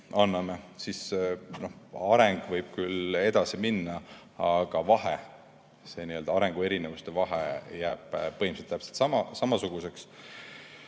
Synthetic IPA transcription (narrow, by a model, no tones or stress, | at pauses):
ɑnːɑme̞sisno̞hɑɾeŋɡ̥vɤjb̥̚kyle̞d̪̥ɑsiminːɑ | ɑɡ̥ɑvɑɦe | se̞ːniø̞ld̪ɑɑɾe̞ŋɡ̥ue̞ɾine̞vust̪e̞vɑɦejæːb̥ːɤhimset̪ːæpselt̪sɑmɑsɑmɑsuɡ̥use̞ks